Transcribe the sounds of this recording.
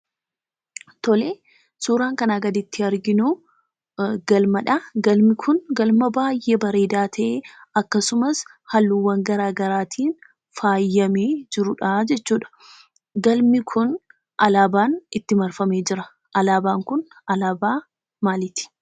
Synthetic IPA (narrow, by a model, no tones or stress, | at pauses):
t̪ɔleː | suːɾaːŋkɐnaɡɐd̪ɪt̪ːɪɐɾɡɪnu | ɡɐlmɐᶑɐɡɐlmɪkʰʊnɡɐlmɐbaːjʔːebɐɾe̞ːd̪aːt̪ʰɐʔeɐkːɐsʊmɐshɐlːuwːɐŋɡɐɾaːɡɐɾaːt̪ʰiːn | faːjːɐmeːd͡ʒɪɾʊᶑad͡ʒɛt͡ʃːuːᶑɐ̥ | ɡɐlmɪkʰʊn | ʔɐlaːbaːnɪt̪ːɪmɐɾfɐme̞ːd͡ʒɪɾɐ | ʔɐlaːbaːŋkʊn | ɐlaːbaː | maːlɪt̪ɪ̥